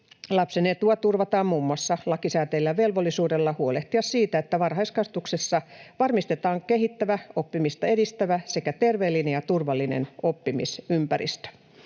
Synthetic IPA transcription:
lɑpseneːt̪uɑt̪urʋɑt̪ɑːmmuːmːuɑsːɑlɑkisæːt̪eːlːæʋe̞lʋolːisuːdelːɑhuoleht̪iɑssiːt̪æet̪ːæʋɑrɦɑiskɑst̪uksesːɑʋɑrmist̪et̪ɑːŋkeɦit̪ːæʋæo̞pːimist̪ɑedist̪æʋæse̞kæt̪e̞rʋeːlːinejɑt̪urʋɑlːinḛnopːimḭsympæɾḭst̪ø̥

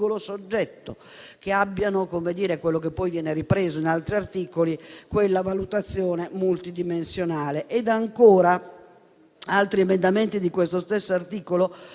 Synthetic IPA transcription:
olosod͡ʒːɛt̪ːo̰ | k̟eabːjanokomed̪iːɾekwelːok̬epːɔjvjɛːneripɾɛːzoinalt̪ɾiart̪iːkolikwelːavalut̪at̪sːjɔːnemult̪id̪imensjonaːleʔɛd̪aŋkɔːɾa | alt̪ɾiɛmɛnd̪ament̪id̪ikwest̪ost̪esːoart̪iːkolo

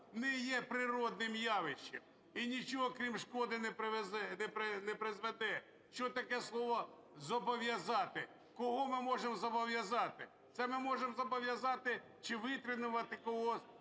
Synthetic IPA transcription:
nɛjɛpɾɪɾɔd̪nɪmjɑʋɪʃt͡ʃːem | inʲit͡ʃɔɦɔkɾʲimʃkɔd̪ɪnɛpɪzɛnɛpɾɪnɛpɾɪzʋɛd̪ɛ | ʃt͡ʃɔt̪ɐkɛslˠɔʋɔ | zɔbɔʋjɐzɑt̪ɪ | kɔɦɔmɪmɔʒemzɔbɔʋjɐzɑt̪ɪ | t̪sɛmɪmɔʒemzɔbɔʋʲjɐzɑt̪ɪ | t͡ʃɪʋɪt̪ɾɪnʊʋɐt̪ɪkɔɦɔ

